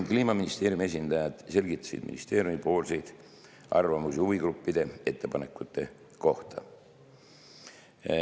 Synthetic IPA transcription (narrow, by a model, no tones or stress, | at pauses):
kliːmɑminist̪e̞ːɾjumie̞s̬ʲind̪̥ɑjɑd̪̥se̞lɡit̪ːˑɑ̥sḭd̪̥mḭnḭst̪e̞ːɾjumipo̞ːlsejd̪̥ | ʔɑrvɑmusiuviɡɾupːid̪̥e̞e̞t̪ːe̞pɑne̞kːˑut̪ːe̞ | ko̞ht̪ɑ̰